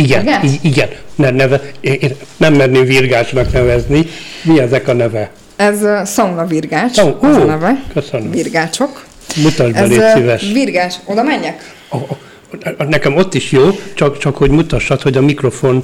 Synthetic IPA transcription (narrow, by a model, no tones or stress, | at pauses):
iɡɛniiɡɛnnɛnɛvɛeennɛmːɛnneːɱvirɡaːt͡ʃnɒknɛvɛzni | miɛzɛkɒnɛvɛ | ɛzsɒŋɡlɒvirɡaːt͡ʃoːnɛvɛkøsønøvirɡaːt͡ʃo̞k | mut̪ɒʒbɛleːsivɛʃvirɡaːt͡ʃod̪ɒmɛɲːɛk | ɒ | nɛkɛmo̞t̪ːiʃjoːt͡ʃɒkt͡ʃɒkho̞ɟmut̪ɒʃːɒt̪ho̞ɟɒmikro̞fo̞n